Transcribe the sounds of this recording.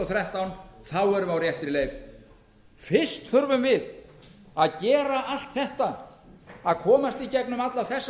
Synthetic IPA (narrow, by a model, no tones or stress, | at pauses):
ɔθɾɛht̪awnθawɛɾʏmawɾjɛht̪ɪɾɪlejv | fɪrst̪θʏɾvʏmvɪð | aðcɛːɾaʔal̥t̪θɛht̪a | aðkʰɔːmast̪icɛknʏmat̪laθɛsː